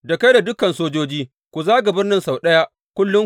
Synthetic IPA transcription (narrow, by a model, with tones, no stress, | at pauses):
dɐ˨kɐ˦da˨dʊ˦kɐ˨nsoː˦d͡ʒoː˦d͡ʒiː˦ | kʷu˨zaː˦ɡa˨bɪ˦rnɪ˦nsa˨wɗɐ˦ja˦ʔ | kʷʊ˦lːʊ˦ŋ